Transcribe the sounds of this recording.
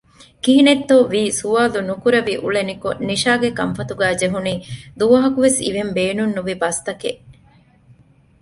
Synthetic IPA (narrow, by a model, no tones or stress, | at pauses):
kiɦinet̪ːoʋiːsuʋaːlunukuɾɐʋiʔṵɭenikoniʃaːɡekɐmfɐt̪uɡæːd͡ʒeɦuniːd̪uʋɐɦɐkuʋesḭʋembeːnunːuʋibɐst̪ɐke